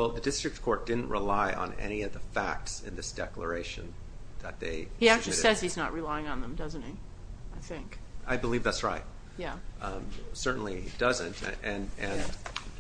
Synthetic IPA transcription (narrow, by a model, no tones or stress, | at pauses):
wɛlˠðɨdɪstɹ̥ɨk̚t̚kʰɔɹt̚d̥ɪdⁿn̩ʔɹəlaɪʔə̰̃nɛ̰ñiʌvðəfæk̚tsɨ̰̃nðɪsd̥ɛklə̰˞eɪʃɨ̰̃n | ðɨt̪̚ðeɪhiæk̚t͡ʃʉɪiɾsɛz̥hiznəʔ̚ɹɨlaɪɪ̃ŋə̃nðə̃mdʌz̃n̩ti | aɪθɪ̃ŋkaɪbəlivðætsɹaɪt̚ | jæ | sɜ˞ʔn̩lid̥ʌzɨ̃ntɨɨ̃nɨ̃n